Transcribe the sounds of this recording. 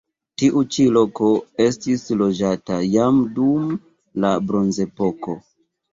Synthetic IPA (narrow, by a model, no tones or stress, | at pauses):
tiʔut͡ʃilo̞ko̞e̞stislo̞d͡ʒatajamdum | labɾo̞nze̞po̞ko̞